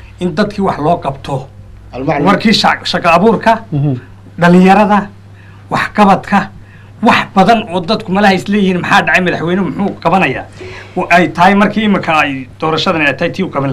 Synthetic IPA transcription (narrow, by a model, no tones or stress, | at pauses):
ʔɪnd̪ɐd̪kʰiːwɑħlɔːqɑbt̪ʰɔ | mɐrkʰiːʃʃɐqɐːβuːrkʰɐ | ɖɐlɪjɐɾɐðɐ | wɑħqɑβɐd̪kʰɐ | wɑħbɐðɐnɔːd̪ɐd̪kʰʊmɐlɐhɐɪslɛːjɪhiːnmɐħɑːɖɑʕɑjmɐðɐħwɛjnmʊħʊːqɑβɐnɐja̰ːwɛjt̪ʰɐɦɛjmɐrkʰiːɪmɪŋkʰɐɛjd̪̥ɔːɾɐʃɐðɐnɛɛjt̪ʰɐhɛjt̪ʰiːʊqɑβɐl